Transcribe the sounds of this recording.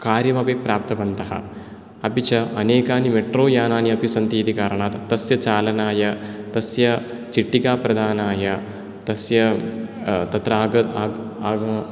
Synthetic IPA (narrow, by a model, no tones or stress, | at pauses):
kaːɾjɐmɐpeːpɾaːp̚t̪ɐbɐnt̪ɐɦɐ̰ | ɐpit͡ʃɐɐneːkaːnimeʈɾoːjaːnaːniɐpisɐnt̪iːd̪ikaːɾɐɳ̃aːt̪t̪ːɐsjɐt͡ʃaːlɐnaːjɐt̪ɐsjɐ | t͡ʃiʈːikaːpɾɐd̪ʱaːnaːjɐ | t̪ɐsjɐ | t̪ɐt̪ɾɐaːɐaɡɐ